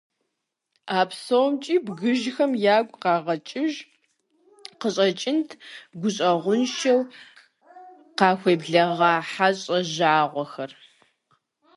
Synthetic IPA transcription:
aːpsowmt͡ʃʼiːbɣɨʒxɐmjaːɡʷʼqɑːʁɐt͡ʃʼɪʒ | qəɕʼɐt͡ʃʼɪntʰɡʷʊɕʼɐʁʷʊnʃɐw | qɑːxʷeːbɮɐʁɑːħaɕʼɐʑaːʁʷɔxɐr

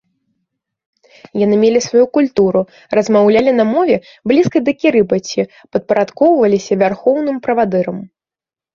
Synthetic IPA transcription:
jan̪ɨmʲelʲisvajukulʲt̪uɾu | rɐzmawlʲalʲinɐmɔvʲɛ | blʲiskɐjd̪ɐkʲiɾɨbɐt͡sʲi | pɐt̪̚pɐɾat̪kɔwvɐlʲisʲɐvʲarxɔwnɨmpɾɐvad̪ɨɾɐm

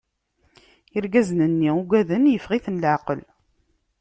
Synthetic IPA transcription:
əɾɡæzənənːiuɡʷæðənjəfʁiθnlʕaqəl

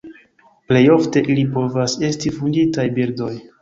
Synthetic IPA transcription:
ple̞jo̞fte̞ʔilipo̞vase̞stifunditajbiɾdo̞j

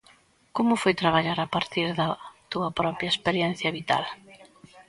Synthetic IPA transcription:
komʊfojt̪ɾaβaʎaɾapaɾt̪iɾðɐt̪uɐpɾɔpɾjɐespeɾjɛn̟θjɐβit̪a̰l

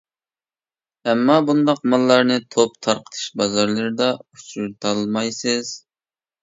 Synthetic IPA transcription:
ɛmːɑbund̪ɑqmɑlˠːɑɾnɨt̪ʰop̚t̪ʰɑɾqʰə̥t̪ʰɨ̥ʃbɑzɑɾlˠɨɾɨd̪ɑut͡ʃuɾt̪ʰɑlˠmɑjsɨz̥

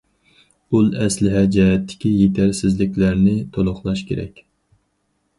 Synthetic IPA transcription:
ulˠɛslɪɦɛd͡ʒɛɦɛt̪ʰːɪ̥kʲijet̪ʰæɾsɪzlɪkʲlæɾnɪt̪ʰolˠʊχlˠɑʃkʲʰeɾɛ̰kʲ

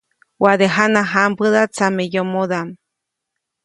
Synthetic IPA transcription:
waðeɦanaɦambɨðat͡samejomoðam

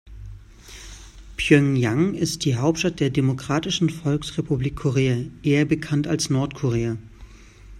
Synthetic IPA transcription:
pʰjœŋjaŋɪst̚d̥iːɦaʊp̚tʃtat̚d̥eːɐdemokʁ̥aːtɪʃn̩fɔlksʁepubliːkʰːoʁeːaʔeːɐbəkʰantalsnɔɐtkʰoʁ̞eːɐ

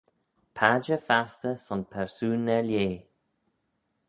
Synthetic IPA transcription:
pʰad͡ʒəfast̪əsɔnpʰɛɹsuːnːɛljeː

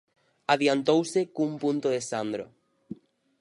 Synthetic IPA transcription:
aðjant̪owsekumpũnt̪oðesand̪ɾo̰

